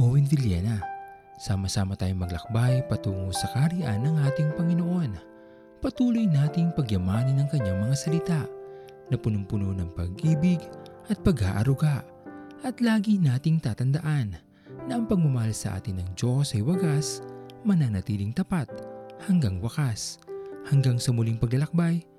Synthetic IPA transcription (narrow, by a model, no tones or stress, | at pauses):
oːwɪnd̪ɪljɛ̰nɐ | saːmɐsaːmɐt̪aːjoŋmɐɡ̚lɐ̰k̚bajpɐt̪uːŋosɐkɐhɐɾiʔa̰nːɐŋʔaːt̪ɪŋpɐŋɪno̞ʔo̞n | pɐt̪uːlojnaːt̪ɪŋpɐɡjɐmaːnɐnːɐŋkɐɲaŋmɐŋasɐlɪt̪aʔ | nɐpʊnʊmpʊnonɐŋpɐ̰ɡʔiːbɪɡʔɐt̪̚pɐɡha̰ːʔɐ̰ɾʊɡaʔ | ʔɐt̪laːɡinaːt̪ɪŋt̪aːt̪ɐnd̪ɐʔanː | ɐʔɐŋpɐɡ̚mʊmɐhalsɐʔa̰ːt̪ɪnːɐŋd͡ʒo̞sɐjwɐɡasmɐnanɐt̪iːlɪŋt̪ɐpat̪̚hɐŋɡaŋwɐkashɐŋɡaŋsɐmʊliŋpɐɡlɐlɐk̚baj